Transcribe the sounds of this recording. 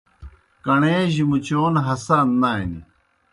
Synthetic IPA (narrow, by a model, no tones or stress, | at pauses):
kɐɳeːʑimut͡ɕoːnɦɐsaːnːaːinḭ